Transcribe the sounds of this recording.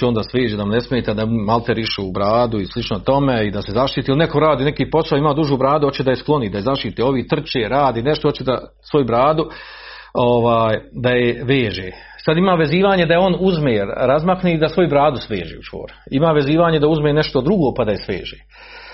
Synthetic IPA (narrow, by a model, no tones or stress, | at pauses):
ond̪asʋeːʒeːd̪amnesmeːt̪ad̪amalˠt̪eɾiʃuubɾaːd̪uislˠit͡ʃnot̪o̞meid̪ase̞zaʃt̪iːt̪ilineko̞ɾaːd̪iːnekiːpo̞saoimaːd̪uʒuːbɾaːd̪uhot͡ʃed̪ajesklˠo̞niːd̪ajezaʃt̪iːt̪eo̞ʋiːt̪r̩t͡ʃeːɾaːd̪iːneʃt̪oot͡ʃed̪a̰ | sʋo̞jubɾaːd̪u | oʋaːjd̪ajeʋeːʒeː | sad̪imaːʋe̞ziːʋaːɲe̞d̪ajeo̞nuzmeɾɾazmakniid̪asʋo̞jubɾaːd̪usʋḛːʒḛːut͡ʃʋo̰ːɾimaːʋe̞ziːʋaːɲed̪auzmeːneʃt̪o̞d̪ɾuɡoːpad̪aje̞sʋḛːʒeː